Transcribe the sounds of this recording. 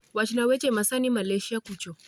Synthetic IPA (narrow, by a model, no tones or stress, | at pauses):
wat͡ʃinawet͡ʃemasanimaleʃakʷut͡ʃo